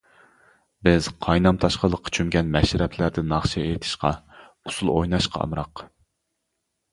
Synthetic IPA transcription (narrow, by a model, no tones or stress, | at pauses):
bɪz̥qʰɑjnɑmt̪ʰɑʃqəlˠəqʰːt͡ʃʰymɡʲɛnmɛʃɾɛpʰlæɾd̪ɪnɑχʃɛet̪ʰɪ̥ʃqɑ | usulˠojnɑʃqʰɑ̰ɑ̰mɾɑq